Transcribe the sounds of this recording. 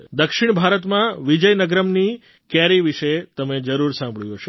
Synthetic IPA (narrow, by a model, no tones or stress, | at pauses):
d̪əkʃɪɳ̃bʱaɾət̪mãʋid͡ʒəjnəɡɾəmni | kɛɾiʋiʃet̪əmed͡ʒəɾuɾsãmbʱɭjũɦəʃe